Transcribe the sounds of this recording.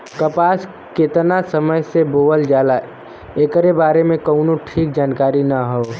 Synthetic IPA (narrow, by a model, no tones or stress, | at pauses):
kəpaːs | kɪt̪nasəməjseboːəld͡ʒaːla | eːkəɾebaːɾemẽkoʊnoʈʰiːk̚d͡ʒaːnkaːɾinaɦoː